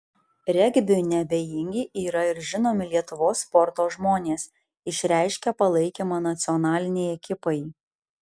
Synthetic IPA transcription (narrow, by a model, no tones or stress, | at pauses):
ɾʲɛɡʲbʲɪnʲɛbʲejɪŋʲɡʲɪːʔiːɾɐɪɾʒʲɪnoːmʲɪlʲiɛt̪ʊʋoːsːpɔɾt̪oːʒmoːnʲeːs | ɪʃʲɾʲæˑɪʃʲkʲɛpɐlˠɐɪkʲeːmɑːnɐt̪sʲɪɔnɑːlʲɪnʲejɛkʲɪpɐɪ